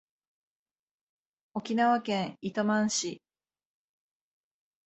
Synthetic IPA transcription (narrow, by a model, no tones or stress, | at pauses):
o̞kʲinaβakẽ̞ɰit̪omãɰ̃ɕi